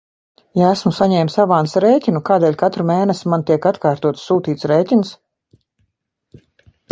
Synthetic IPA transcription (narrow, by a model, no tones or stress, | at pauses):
jaæsmusaɲɛːmsavaːnsɾɛjtʲinukaːd̪ɛːlʲkat̪ɾumɛːnɛsmant̪iɛkat̪kaːɾt̪uɔt̪ssːuːt̪iːt̪sɾɛjt̪ʲins